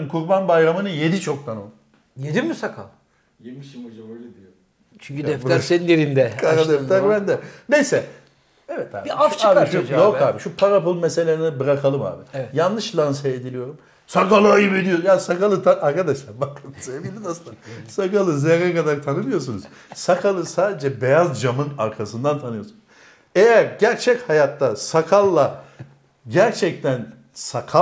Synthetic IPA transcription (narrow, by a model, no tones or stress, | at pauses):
nkʰuɾbanbajɾamɯnɯje̞d̪it͡ʃʰo̞k̚t̪ʰana | jed̪imysakʰa̰lˠ | t͡ʃʰyɲcʰyd̪ɛft̪aɾsenineɾind̪ɛkaɾad̪ɛft̪aɾbænd̪ɛnejsɛ | evɛt̪ʰa̰biaft͡ʃaːbiojokaːbiʃupʰaɾapulˠmese̞lʲenibɯɾakʰalˠɯma̰ːbivɛjanlːˠɯʃlʲˠansɛed̪ilʲijo̞ɾum | sakalˠɯajɯbed̪ʲijojaːnisakalˠɯt̪ʰaaɾkʰad̪aʃlˠaɾbaksevilʲinasɯasakalˠɯzeɾɛkad̪aɾt̪ʰanɯmɯjo̞s̬unuz̥ | sakʰalˠɯsaːd̪ed͡ʒɛbejazd͡ʒamɯnaɾkʰasɯnd̪ant̪ʰanɯjo̞sunz̥ | ejæɾɟæɾt͡ʃʰɛchajat̪ːasakʰalˠːa | ɟæɾt͡ʃʰɛc̚t̪ʰæn | sakʰa